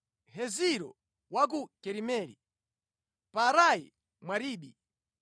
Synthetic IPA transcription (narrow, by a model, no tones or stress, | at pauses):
hɛziɾɔ̰ | wak̬ukɛɾimɛɾḭ | paɾai | mwaɾiːɓi